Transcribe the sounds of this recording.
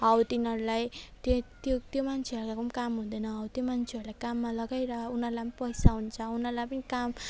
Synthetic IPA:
ʌwt̪inʌɾulajt̪ot̪jot̪jomant͡sʰeɦʌɾkakumkamɦud̪ʌjnʌɦʌwt̪jomant͡sʰeʌrɾulajkamːalʌɡajɾʌunʌrlajpʌnipʌjsaɦunt͡sʰʌunʌrlajpʌnikam

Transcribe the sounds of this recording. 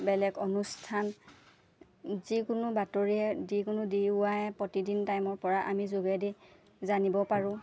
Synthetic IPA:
bɛlɛɡɔnustʰan | zikʊnʊbatoɹiɛdikʊnʊdiʊwajɛpɹɔtidintajmɔɹpɔɹaʔamizoɡɛdi | zanibɔpaɹʊ̃

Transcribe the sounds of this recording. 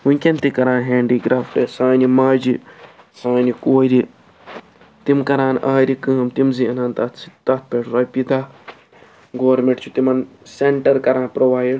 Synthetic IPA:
unʲkʲent̪ikɐɾãːnɦeːɳɖiɡɾaːfʰʈesaːnimaːd͡ʒi | saːnikoːɾi | t̪imkɐɾãːnaːɾikɨːɐmt̪imziɐnaːnt̪at̪ʰsit̪at̪̚ʰpeʈɾaːpid̪a | ɡoːɾmeɳʈt͡ʃʰut̪imɐnseɳʈɐɾkɐɾãːnpɾoʋaːjɖ

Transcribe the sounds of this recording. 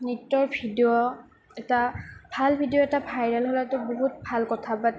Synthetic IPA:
nitːɔɹbʱidiɔ | ɛtab̥ʱalbʱidiɔɛtabʰʱajnalɦolatʊboɦut̚bʱalkɔtʰapat

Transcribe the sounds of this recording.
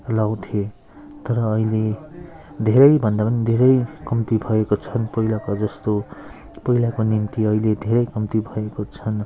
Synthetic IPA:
law̃t̪ʰje | t̪ʌɾʌːile | d̪ʱeɾʌjbʱʌnd̪apʌnid̪ʱeɾʌjkʌmt̪ibʱʌekot͡sʰʌnpʌilakad͡zʌst̪o | pʌilakonimt̪iʌiled̪ʱeɾʌjkʌmt̪ibʱʌekot͡sʰʌn

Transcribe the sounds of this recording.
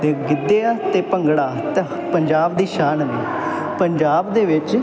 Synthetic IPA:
t̪eːɡɪd̪ːeːaːt̪eːpəŋɡɽaːt̪e | pəɲd͡ʒaːbd̪iːʃaːnniː | pəɲd͡ʒaːbd̪eːʋɪt͡ʃ

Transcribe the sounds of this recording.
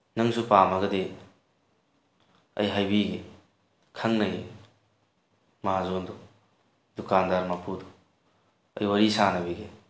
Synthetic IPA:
nɐŋsupamɐɡɐde | ɐ̰jɦajbiɡe | kʰɐŋnɐɡi | mɐɦazondu | dukandaɾmapudu̥ | ɐ̰jwɐɾisanɐbiɡe

